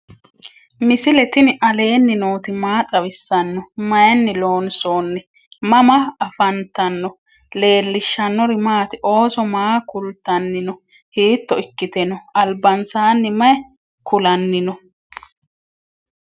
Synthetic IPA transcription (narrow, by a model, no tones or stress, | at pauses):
mɪsɪlɛt̪ɪnʔɐle̞ːnːɪno̞ːt̪ɪmaːt̪ʼɐwɪsːɐnːɔmɐjɛnːɪlo̞ːnsoːnːɛ | mɐmɐːfɐnt̪ɐnːɔ | le̞ːlːɪʃːɐnːɔɾɪmaːt̪ɪʔo̞ːsɔmaːkʊlt̪ːɐnːɪnɔ | hiːt̪ːɔɪkːɪt̪ɛnɔɐlbɐnsaːnːɪmɐjɛ | kʊlɐnːɪnɔ